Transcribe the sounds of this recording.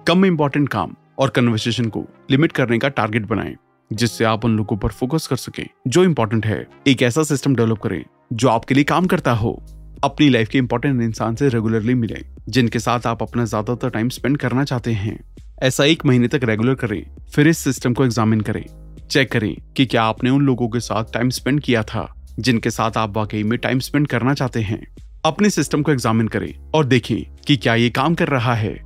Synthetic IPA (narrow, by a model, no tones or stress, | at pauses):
kɐmɪ̃mpɔːɾʈə̃ɳʈ̚ka̰ːm | ɔːɾkɐnʋəɾseːʃ̬ənko̰lɪmɪʈ̚kɐɾnekaʈa̰ːɾɡeʈ̚bɐna̰ːḛ | d͡ʒɪsːeaːpʊnloːɡõpɐɾfoːkəskɐɾsɐkḛ̃ːd͡ʒoːɪ̃mpɔːɾʈ̬ə̃ɳʈɦɛ̰ː | eːkɛːsasɪsʈəmɖɛʋləp̚kɐɾḛ̃ː | d͡ʒoːaːpkeliekaːmkɐɾt̪aɦo̰ːɐpnilaːɪfkiɪ̃mpɔːɾʈə̃ɳʈɪ̃nsaːnseɾɛɡʊləɾlimɪlḛ̃ː | d͡ʒɪnkesaːt̪ʰaːpɐpnazjaːd̪at̪ɐɾʈaːɪmspɛ̃ɳɖkɐɾnat͡ʃaːɦt̪eɦɛ̰̃ː | ɛːsaeːkmɐɦiːnet̪ɐkɾeːɡʊləɾkɐɾḛ̃ː | fɪɾɪsːɪsʈəmkoeɡzaːmɪnkɐɾḛ̃ː | t͡ʃɛkːɐɾḛ̃ːkikjaːpneʊnloːɡõk̬esa̰ːt̪ʰʈaːɪmspɛ̃ɳɖ̚kijat̪ʰa̰ːd͡ʒɪnkesa̰ːt̪ʰaːpʋaːkəimẽʈa̰ːɪmspɛ̃ɳɖkɐɾnat͡ʃaːɦt̪eɦɛ̰̃ː | ɐpnesɪsʈəmkoeɡzaːmɪnkɐɾḛ̃ː | ɔːɾd̪eːkʰḛ̃ː | kikjaːjekaːmkɐɾːɐɦaɦɛ̰ː